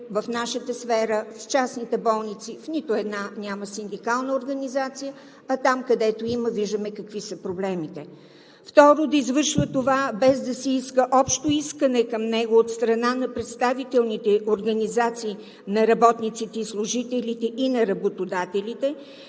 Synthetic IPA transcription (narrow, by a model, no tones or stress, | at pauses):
vəfnaʃət̪əsfɛɾəft͡ʃasnit̪ɛbɔlˠnit̪sifnit̪ʊɛd̪nanʲaməsind̪ikalˠnəoɾɡənizat̪sijə | ɐt̪amkɐd̪ɛt̪oiməviʒd̪əmɛkɐkvisəpɾoblɛmit̪ɛ | ft̪ɔɾod̪ɐizvɤɾʃvət̪ovabɛzd̪ɐsɛiskəʔɔpʃt̪oiskənɛkəmnɛɡoot̪st̪ɾɐnanɐpɾɛt̪st̪avit̪ɛlˠnit̪ɛoɾɡɐnizat̪siː | nɐɾɐbɔt̪nit̪sit̪ɛislˠʊʒit̪ɛlʲit̪ɛʔinɐɾɐbot̪od̪at̪ɛlʲit̪ɛ